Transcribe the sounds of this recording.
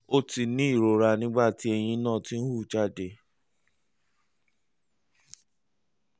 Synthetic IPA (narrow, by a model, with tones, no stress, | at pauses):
o˦ti˧nĩ˨˦i˦˨ɾo˨ɾa˧nĩ˦ɡ͡ba˦˨ti˦ɛ˧j̃ĩ˧˦nãː˦˨ti˦n̩˦hu˦˨d͡ʒa˦˨de˨